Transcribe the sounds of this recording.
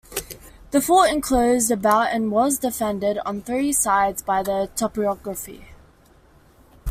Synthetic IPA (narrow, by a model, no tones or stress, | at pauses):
ðəfɔːɪ̃nkʰl̥əʊzdəbaʊtə̃nwɒzdɪfɛ̃ndɪɾn̩θɹiːsaɪdzbaɪðətʰɔpiɒɡɹəfḭ